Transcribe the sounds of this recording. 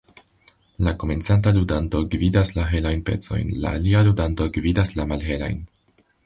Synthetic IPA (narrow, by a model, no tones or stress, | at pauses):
lako̞me̞nt͡santaludanto̞ɡvidaslaɦe̞lajnpe̞̰t͡so̞̰jnla̰ːlialudanto̞ɡvidaslamalɦe̞la̰jn